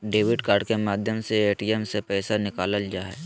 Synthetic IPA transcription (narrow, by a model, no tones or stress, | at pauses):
ɖeːʋɪɖkaːɾɖkemaːd̪ʱjəmseeːʈiɛmsepɛːsanɪkaːləld͡ʒaːɦɛ̰ː